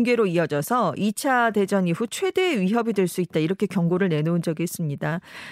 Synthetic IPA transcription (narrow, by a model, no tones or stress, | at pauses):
ŋɡe̞ɾoiʌd͡ʑʌsʰʌit͡ɕʰade̞d͡ʑʌŋiɸut͡ɕʰwe̞de̞ːɥiɦʌbidwe̞ɭs͈uit̚t͈aiɾʌkʰe̞kjʌŋɡoɾɯɭne̞nound͡ʑʌɡies͈ɯmɲida